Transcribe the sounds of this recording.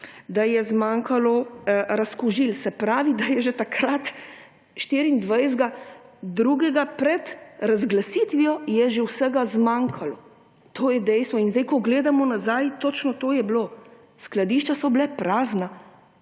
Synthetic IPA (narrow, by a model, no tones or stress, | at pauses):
d̪ajɛzmaːŋkʰalɔɾaskuʒilsɛpɾaːʋid̪ajɛʒet̪akɾat̪ | ʃt̪iːɾiind̪ʋajzɡad̪ɾuːɡɛɡapɾɛt̪ɾazɡlasiːt̪ʋijɔjɛʒɛwsɛɡazmaŋkʰalɔ | t̪ʰoːjɛd̪ɛjst̪ʋɔinzd̪ɛjkɔɡleːd̪amɔnazajt̪ot͡ʃnɔt̪oːjɛbloː | sklad̪iʃt͡ʃasɔblɛpɾaːzna